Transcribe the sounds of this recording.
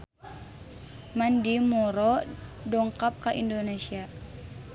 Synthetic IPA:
mandimɔɾɔdɔŋkap̚kaʔindonesia

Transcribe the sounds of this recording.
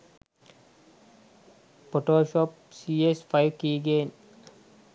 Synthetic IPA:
poʈoːʃɔp̚ | siːespʰajʋkiːɡeːn

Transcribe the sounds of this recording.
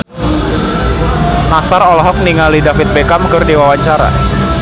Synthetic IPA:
nasarɔlɦɔk̚niŋalidafɪt̪̚bekamkɨrdiwawaɲt͡ʃaɾa̰

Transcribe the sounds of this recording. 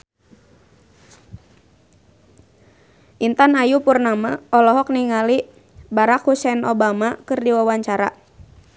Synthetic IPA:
ʔint̪anajupurnamaɔlɔɦɔk̚niŋali | baɾakhusɛnɔbamakɨrdiwawaɲt͡ʃaɾa̰

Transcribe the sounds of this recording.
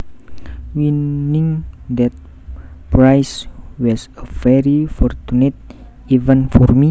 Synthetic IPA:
winiŋd̪ɛt̪̚ | pɾajswɔsəfɛɾifɔrtunet̪̚ | ivənfɔrmi

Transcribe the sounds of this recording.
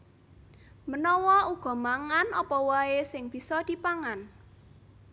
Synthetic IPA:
mənɔwɔuɡ̥ɔ̤maŋanɔpɔwaesɪŋb̥i̤sɔd̪̥i̤paŋan

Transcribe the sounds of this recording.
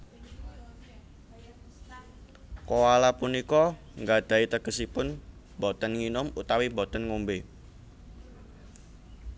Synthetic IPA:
kowalapunikɔ | ŋɡad̪̥ä̤it̪əɡ̥ə̤sipʊn | bɔt̪ənŋinʊmut̪awimbɔt̪ənŋombe

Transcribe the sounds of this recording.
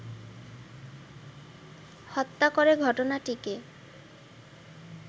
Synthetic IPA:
hɔt̪ːakoɾeɡʱɔʈonaʈike

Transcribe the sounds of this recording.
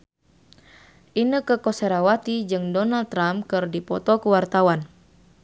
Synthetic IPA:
ʔinəkəkɔsɛɾawat̪id͡ʒɨŋdɔnald̪̚t̪ːɾampkɨrdipɔt̪ɔkuwart̪awan

